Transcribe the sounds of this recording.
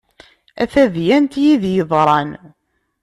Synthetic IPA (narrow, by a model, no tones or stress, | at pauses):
æ̰θæðjænt̪jiðjəðˤɾˤɑn